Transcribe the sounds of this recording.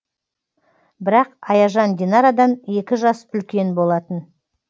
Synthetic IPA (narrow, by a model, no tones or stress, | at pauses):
bɪɾɑqɑjɑʒɑnd̪ʲinɑɾad̪ɑne̞kʲɪʒɑsʏlkʲe̞nbo̞lˠɑt̪ən